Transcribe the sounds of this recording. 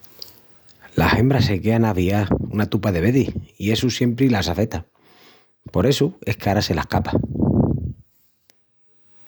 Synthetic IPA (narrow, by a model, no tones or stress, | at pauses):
lahe̞mbɾase̞keanaβiaunat̪upaðe̞βe̞ðihie̞susje̞mpɾilas̬afe̞t̪a | po̞ɾe̞sue̞hkaɾase̞lahkapḁ